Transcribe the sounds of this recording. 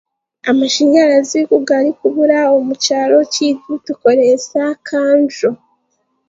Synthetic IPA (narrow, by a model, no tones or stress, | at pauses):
amaʃiːɲɡaɾazikuɡaɾikuβuɾaomut͡ʃaɾo̞citutuko̞ɾesakʰaːnʒo